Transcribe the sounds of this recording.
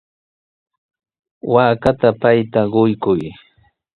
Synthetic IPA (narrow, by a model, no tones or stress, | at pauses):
waːkat̪apajt̪aɢʊjkʊj